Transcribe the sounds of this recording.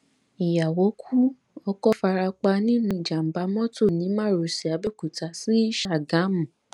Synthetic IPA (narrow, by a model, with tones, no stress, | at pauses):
i˨ja˨wo˨˦kʰu˦ | ɔ˧kɔ˦fa˧ɾa˧k͡pa˧nĩ˦nũ˦˧i˨d͡ʒa˨m̩˨ba˨˦mɔ̃˦to˦˨nĩ˨˦mã˦˨ɾo˨si˨a˨˦be˦˨ku˨ta˧si˦ʃa˦˨ɡã˨˦mũ˨